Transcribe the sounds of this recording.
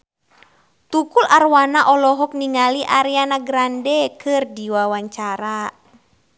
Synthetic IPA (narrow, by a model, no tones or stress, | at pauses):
t̪ukularwanaʔɔlɔɦɔk̚niŋaliʔaɾianaɡɾandɛkɨrdiwawaɲt͡ʃaɾa